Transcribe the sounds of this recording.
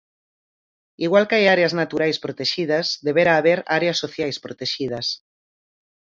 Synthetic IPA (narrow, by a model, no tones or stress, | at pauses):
iɣwalkajaɾeaznat̪uɾajspɾot̪eʃið̞ɐzd̪eβeɾaːβ̞eɾaɾeasːoθjajspɾot̪eʃið̞ɐs